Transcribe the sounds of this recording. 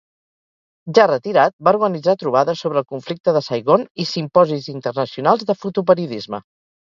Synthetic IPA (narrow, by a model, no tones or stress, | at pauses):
ʒarət̪iɾat̪̚bauɾɣənid͡zat̪ɾuβ̞aðəsoβɾəlˠkuɱflik̚t̪əðəsəjɣonisimpɔzizint̪ərnəsiunalˠzðəfut̪up̬əɾiuðizmə̰